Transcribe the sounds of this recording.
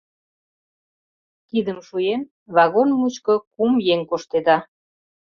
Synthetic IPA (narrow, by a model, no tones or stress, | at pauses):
kid̪əmʃujem | βɑɣonmut͡ɕkokumjeŋkoʃt̪ed̪ɑ